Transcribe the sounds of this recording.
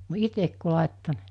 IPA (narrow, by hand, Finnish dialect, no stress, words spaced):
itek ku lɑˑetːo